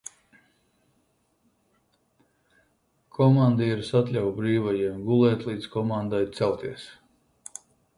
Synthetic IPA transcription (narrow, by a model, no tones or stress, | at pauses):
kʰɔmand̪eiɾsat̪lʲawbɾiːvajiɛmɡulˠɛːt̪ʲlˠiːd̪skɔmand̪ajt̪sɛlˠt̪iɛs